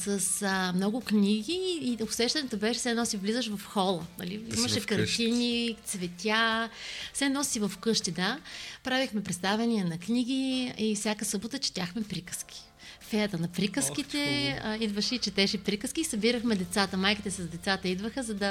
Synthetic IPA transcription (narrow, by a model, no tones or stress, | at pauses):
səsmnɔɡʊkniɡʲiːosɛʃt̪ɐnɛt̪obɛʃɛfsɛɛnɔsivlizəʃvɐfxɔlˠənɐ̰liḭmɐʃɛkɐɾt̪inʲit̪svɛt̪ʲa | fsɛnɔssivɐfkɤʃt̪id̪apɾavixmɛpɾɛt̪st̪avɛniɛnɐkniɡ̟iifsʲakəsɤbot̪ət͡ʃɛ̥t̪ʲaxmɛpɾikə̥skʲi̥ | fɛɾət̪ənɐpɾikəskit̪ɛid̪vəʃɛit͡ʃɛt̪ɛʃɛpɾikəskʲiːsɐbiɾəxmɛd̪ɛt̪sat̪əmajkit̪ɛsɐzd̪ɛt̪sat̪əid̪vəxəzɐd̪ɐ